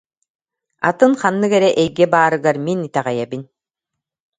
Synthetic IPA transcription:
a̰t̪ɯŋχanːɯkɛɾɛʔɛjɡɛbaːɾɯɡaɾminit̪ɛʁɛjɛbin

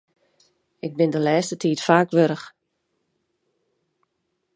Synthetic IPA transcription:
ɪk̚bɪndəlɛːstətʰiːtfaːkʋøɾəx

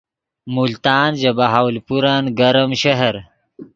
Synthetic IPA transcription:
mult̪aːnʑɐbaɦaːwlpuɾanɡɐɾɐmɕɐɦɐɾ

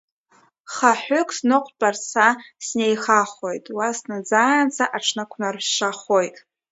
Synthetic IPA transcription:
χaħʏkʷʰʼsnɨqʷʼpʼarsasnejχaχo̞jtʼwasnad͡zaːnt͡sʰaʔaʈ͡ʂʰnakʷʰnarʃaχojtʼ

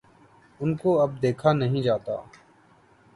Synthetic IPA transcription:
ʊnkoːɐb̚d̪eːkʰaːnəɦĩːd͡ʒaːt̪a̰ː

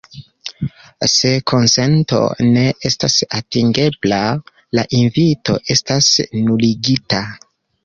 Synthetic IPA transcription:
se̞kʰo̞nse̞nto̞̰ne̞ʔe̞stasatiŋɡe̞bla | laʔinvito̞ʔe̞stasnuliɡita

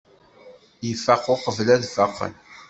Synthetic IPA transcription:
jəfæqoqəvlæðfæqːə̰n

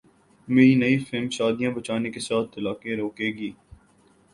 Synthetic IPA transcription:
meːɾinɐifɪlmʃaːd̪ijãbɐt͡ʃaːnekesaːt̪ʰːɐlaːkeɾoːkeːɡiː

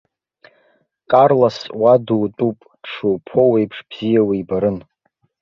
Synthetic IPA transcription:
kʼarlaswaduːtʼupʼ | ʈ͡ʂʰupʰo̞wejpʰʂb̥z̥ijawiibaɾɨn

